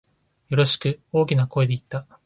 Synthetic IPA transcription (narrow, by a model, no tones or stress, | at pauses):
jo̞ɾo̞ɕi̥kɯ̟o̞ːkʲinako̞ed̪e̞it̪ːa